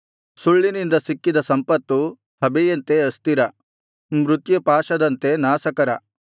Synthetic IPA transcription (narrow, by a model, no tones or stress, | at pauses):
suɭːinind̪ɐsikːid̪ɐsɐmpɐt̪ːu | hɐbɛjɐnt̪e̞ɐst̪iɾɐ | mɾut̪jɐpaːʃɐd̪ɐnt̪e̞naːsɐkɐɾɐ